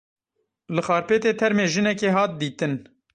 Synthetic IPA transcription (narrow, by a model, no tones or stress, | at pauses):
lɨxɑːɾpeːt̪eːt̪ʰɛɾmeːʒɨnɛkeːɦɑːt̪̚d̪iːt̪ɨn